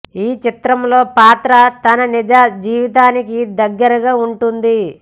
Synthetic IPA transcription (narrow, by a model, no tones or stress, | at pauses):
iːt͡ʃit̪ɾɐmlo̞ːpaːt̪ɾɐt̪ɐnɐnid͡ʒaːd͡ʒiːʋit̪̬aːnikid̪ɐɡːɐɾɐɡaːuɳʈund̪i